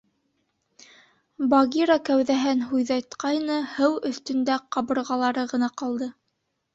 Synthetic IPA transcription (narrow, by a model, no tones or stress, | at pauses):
bɑɡʲiɾakæwðæɦɘnɦujðɑjt̪qɑjnɤhɤwɵ̆θt̪ɵ̆nd̪æqɑβɤ̆ɾʁɑlˠɑɾɤʁɤ̆nɑqɑlˠd̪ɤ